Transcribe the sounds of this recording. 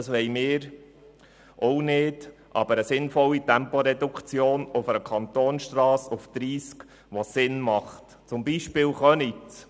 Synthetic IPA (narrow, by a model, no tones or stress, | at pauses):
ɑsʋɛɪmɪːɾ | ʔɔwnɪdʔɑ̰bəɾəsɪnfɔlːitɛmpɔɾɛdukʰt͡sjoːnʊfəɾəkʰɑnt̪oːnʃt̪ɾɑːsufd̪̥ɾiːsk | ʋɔsɪnmɑχt | t͡sʊmbiːʃpɪːlχœnit